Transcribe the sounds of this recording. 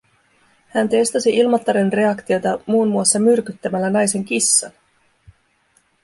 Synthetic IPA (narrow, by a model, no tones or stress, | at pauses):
hænt̪e̞st̪ɑsiʔilmɑt̪ːɑɾenre̞ɑkt̪io̞t̪ɑmuːnːuɑsːɑmyrkyt̪ːæmælːænɑjse̞ŋkisːɑ̰n